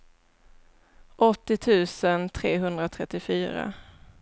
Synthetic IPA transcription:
ʔɔt̪ːɪt̪ʰʉ̟ːsənt̪ʰɾeːɦɵnd̪ɾat̪ʰɾɛt̪ːɪfyːɾa̰

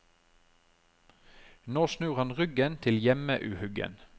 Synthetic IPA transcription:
noːsnʉːʁhɑnʁʏɡənt̪ʰɪljɛməʔʉːhʉɡə̰n

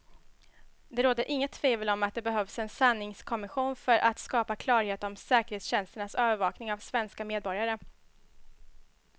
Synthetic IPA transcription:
d̪ɛɾoːd̪əɾʔɪŋːət̪ʰːveːvəlɔmat̪̚d̪ɛbɛɦœvsɛnsanːɪŋskʰɔmɪɧuːnfœɾʔat̪skɑːpakʰlɑːɾheːt̪əɾɔmsɛːkəɾheːt̪sɕɛnst̪əɳasøːvəɾvɑːknɪŋavsvɛnskameːd̪̚bɔɾjaɾə

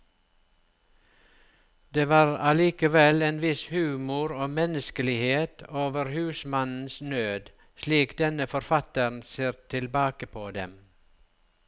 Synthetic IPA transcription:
d̪eːʋɑːɾɑliːkəʋɛleːnʋɪshʉːmʊɾoːmɛnəskəlɪheːt̪ʰoːʋəɾhʉːsmɑnn̩snøːd̪ | ʃliːkd̪ɛnəfɔɾfɑt̪ən̩seːɾt̪ʰɪlbɑːkəpʰoːd̪ɛm

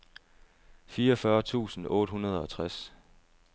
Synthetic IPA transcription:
fiːɐɒ̽fɶːɐt͡sʰṵːsn̩ɔ̽ːd̥ɦunɐð̞̩ˠɒ̽t͡sʰʁas

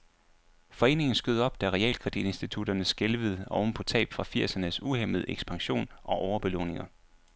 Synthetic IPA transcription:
fɒ̽e̝̰ːne̝ŋn̩sɡ̥øð̞ˠɒ̽b̥̚d̥æʁɛɛ̰ːlkʰʁɛd̥id̥e̝nsd̥it͡sʰud̥ɐnəsɡ̥elʋəð̞̩ˠɒʊn̩pʰɒ̽t͡sʰɛ̰ːb̥fʁɑ̈fiɐ̰sɐnəsuheməð̞̩ˠeɡ̥sb̥ɑ̈ŋɕo̝̰ːnʔɒ̽ʔɒʊɐb̥e̝lɔ̰ːne̝ŋɐ

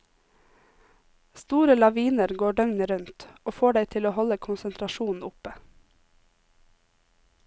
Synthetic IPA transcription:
st̪uːɾəlɑʋiːnəɾɡoːɖœŋnəɾʉnt̪oːfoːɖeɪt̪ʰɪloːhɔləkʰʊnsənt̪ʰɾɑʃuːn̩ʊpə

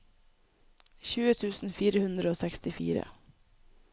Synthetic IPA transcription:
ɕʉ̟ːət̪ʰʉ̟ːsnfiːɾəhɵnd̪ɾəosɛkst̪ɪfḭːɾə̰

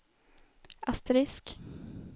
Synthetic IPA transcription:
ʔast̪ɾɪsk

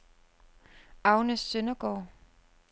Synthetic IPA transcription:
ɑ̈ʊnəsːønɐɡ̥ɒ̰ː

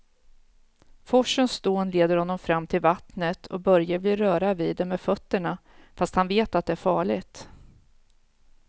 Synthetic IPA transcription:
fɔʂənsd̪oːnleːd̪əɾhɔnːɔmfɾamːt̪ʰɪlvat̪nət̪ʰɔ̰bœɾjablɪɾœːɾaviːd̪ɛmːɛːd̪fœt̪ːəɳa | fast̪hanveːt̪at̪̚d̪ɛæːɾfɑːɭɪɡt̪

